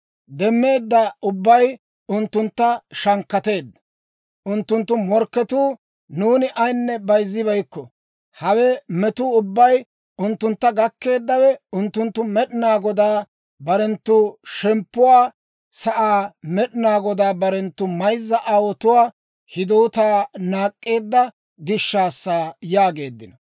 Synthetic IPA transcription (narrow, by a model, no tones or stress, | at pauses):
d̪ɛmːe̞ːd̪ːɐʊbːɐj | ʊnt̪ːʊnt̪ːɐʃɐŋkːɐt̪e̞ːd̪ːɐ | ʔʊnt̪ːʊnt̪ːʊmɔɾkːɛt̪uː | nuːnɪʔɐjnːɛbɐjzːɪbɐjkːɔ | hɐwɛmɛt̪ʊʊbːɐj | ʊnt̪ːʊnt̪ːɐɡɐkːe̞ːd̪ːɐwɛʊnt̪ːʊnt̪ːʊmɛɗɪnaːɡɔd̪aː | bɐɾɛnt̪ːʊʃɛmpːʊwaː | sɐʔaːmɛɗɪnaːɡɔd̪aːbɐɾɛnt̪ːʊmɐjzːɐʔɐwɔt̪ʊwaː | hɪd̪oːt̪aːnaːkʼːe̞ːd̪ːɐ | ɡɪʃːaːsːaːjaːɡe̞ːd̪ːɪnɐ